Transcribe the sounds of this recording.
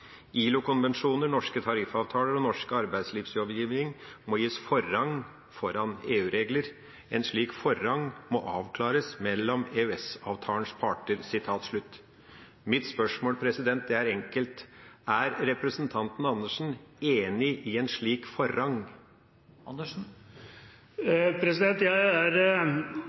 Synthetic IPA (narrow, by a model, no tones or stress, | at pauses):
ʔiːlʊkʊnʋɛnʂuːnəɾɳɔʂkət̪ʰɑɾɪfɑːʋt̪ʰɑːləɾɔnɔʂkəɑɾbæɪd̪sliːʋsjɔʋjiːʋnɪŋmɔjiːsfɔɾɑŋː | fɔɾɑneːʉːɾeːɡləɾ | ɛnʂɭiːkfɔɾːɑŋmɔʔɑːʋkʰlɑːɾəsmɛlːɔmeːʉɛsɑːʋt̪ʰɑːəɳspʰɑʈəɾsɪt̪ʰɑːt̪ʂɭʉt̪ː | mɪt̪spœʂmoːlpʰɾɛsɪd̪ɛnt̪̚d̪ɛæɾɛŋkəlt̪æɾɾɛpɾəsnt̪ʰɑnt̪n̩ɑnːəʂn̩eːnɪʔɪɛnʂɭiːkfɔɾɑŋ | ə | pʰɾɛsɪd̪ɛnt̪jæɪæɾ